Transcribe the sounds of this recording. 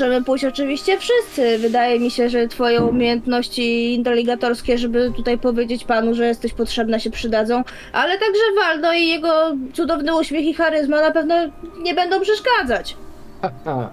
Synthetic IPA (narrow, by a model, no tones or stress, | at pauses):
ɛmɘput͡ɕɔt͡ʂɘvʲiɕt͡ɕɛfʂɘst̪sɘvɘd̪ajɛmʲiɕɛʐɛt̪fɔjɔ̃w̃umʲjejɛnt̪nɔɕt͡ɕiint̪ɛlʲːiɡat̪ɔɾskʲɛʐɛbɘt̪ut̪ajpɔvʲjed͡ʑet͡ɕpanuʐɛjɛst̪ɛɕpɔtʂɛbnɛɕɛpʂɘd̪ad̪zɔ̃w̃ | ʔalɛt̪aɡʐɛvalnɔijɛɡɔt̪sud̪ɔvnɘuɕmʲjexixaɾɘzmanapɛvnɔɲɛbɛnd̪ɔ̃w̃pʂɛʂkad̪zat͡ɕ | aa